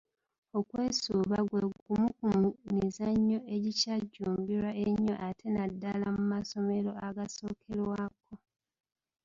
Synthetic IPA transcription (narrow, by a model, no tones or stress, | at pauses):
o̞kwe̞ːsuːβaɡweumukummizaɲːo̞ʔe̞ɟicaɟːuːmbiɾwaʔeɲːo̞̰ʔatʰe̞nadːalamumaso̞me̞lo̞aɡaso̞ːkʰe̞lwaːko̞